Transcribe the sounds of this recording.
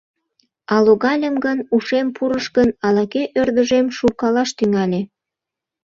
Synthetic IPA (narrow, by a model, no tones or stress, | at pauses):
ɑloɣɑlʲəmɡənuʃempʰuɾəʃkənɑlɑkeʔørd̪əʒemʃukɑlɑʃt̪yŋɑlʲe